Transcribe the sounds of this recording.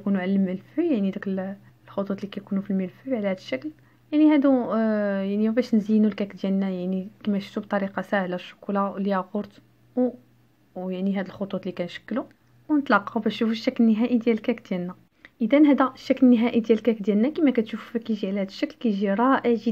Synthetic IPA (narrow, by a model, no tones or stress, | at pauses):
kunuʕalælmːəlfujaʕnid̪ækl | lxot̪ˤut̪ˤlikæjkunufilməlfubʕlæhæd̪əʃːækl | jaʕnihæd̪u | jaʕniwbæʃnzəjːnulkækd̪jælnæjaʕnikimæʃu̥t̪ubt̪ˤɑɾiqɑsæhlæʃːʊ̥kulawliæɣoɾt̪ | w | jaʕniɦæd̪əlxot̪ˤut̪ˤlikænʃə̥kːlu | wnət̪lɑqːɑwbæʃufuʃːæklənːəɦæʔid̪jælkækd̪̥jælnːæ | ʔəd̪ænɦæd̪æʃːæklənːəɦæʔid̪jælkækd̪jælnækəmækæt̪ʃufu̥kæʒiʕlæhæd̪əʃːæklkæʒiɾˤɑʔəʕʒə